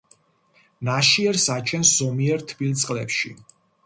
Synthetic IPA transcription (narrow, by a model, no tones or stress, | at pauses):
naʃiɛɾsat͡ʃʰɛnszɔmiɛɾt̪ʰbilt̪sʼqʼlɛpʃḭ